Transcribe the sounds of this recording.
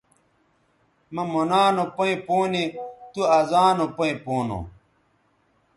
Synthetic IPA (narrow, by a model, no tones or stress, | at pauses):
mɐ̃monaːnopoĩpoːnit̪uazaːnopoĩpoːno̰